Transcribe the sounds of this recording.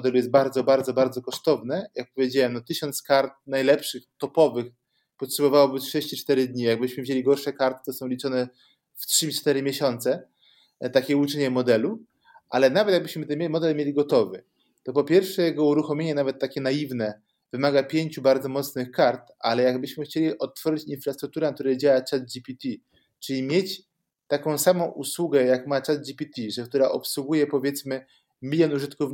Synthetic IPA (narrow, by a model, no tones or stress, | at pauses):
ɔd̪ɛlujɛst̪̚baɾd̪zɔbaɾd̪zɔbaɾd̪zɔkɔʂt̪ɔvnɛjak̚pɔvʲjed͡ʑawɛmnɔt̪ɘɕɔnt̪skaɾt̪̚najlɛpʂɘxt̪ɔpɔvɘx | pɔtʂɛbɔvawɔbɘtʂɛɕt͡ɕit͡ʂt̪ɛɾɘd̪ɲijaɡ̚bɘɕmɘvʑelʲiɡɔɾʂɛkaɾt̪ɘ̥t̪ɔsɔ̃w̃lʲit͡ʂɔnɛ | ftʂɘt͡ʂt̪ɛɾɘmʲjeɕɔnt̪sɛ | t̪akʲɛut͡ʂɛɲɛmɔd̪ɛlu | ʔalɛnavɛt̪jaɡ̚bɘɕmɘt̪ɛmʲɛmɔd̪ɛlmʲjelʲiɡɔt̪ɔvɘ | t̪ɔpɔpʲjɛɾfʂɛjɛɡɔuɾuxɔmʲeɲɛnavɛt̪ːakʲɛnajivnɛ | vɘmaɡapʲjeɲt͡ɕubaɾd̪zɔmɔt̪snɘxkaɾt̪ʔa̰lɛjaɡbɘɕmɘxt͡ɕelʲiʔɔt̪ːfɔʐɘt͡ɕinfɾast̪ɾuk̚t̪uɾɛnak̚t̪uɾɛjd͡ʑawat͡ʂaz̚d͡ʑipʲit̪ʲi | t͡ʂɘlʲimʲjet͡ɕ | t̪akɔ̃w̃samɔ̃w̃ʔuswuɡɛjakmat͡ʂazd͡ʑipʲit̪ʲiʐɛk̚t̪uɾaʔɔpswuɡujɛpɔvʲjɛt̪smɘ | mʲilʲjɔnuʐɘt̪kuf